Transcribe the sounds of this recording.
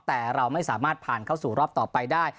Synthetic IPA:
t̪ɛː˨˩ɾa˧wma˥˩jsaː˩˦maː˥˩t̪̚pʰaː˨˩nkʰa˥˩wsuː˨˩ɾɔː˦˥˩p̚t̪ɔː˨˩pa˧jdaː˥˩j

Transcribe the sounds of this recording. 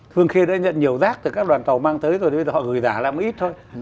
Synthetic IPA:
t̪ʰɨ˧əŋxi˧əɗa̰ː˧˥ɲə̰˧˨nɲi˨˩əwzaː˦˥k̚t̪ɨ˨˩kaː˦˥k̚ɗwaː˨˩nt̪ə˨˩wmaː˧ŋt̪ʰəː˨˦jzo˧˩˨ə˧zəː˨˩hɔ̰˧˨˩ɣɨ˨˩jzaː˧˩laː˨˩m˨˦ʔi˦˥t̚t̪ʰo˧j

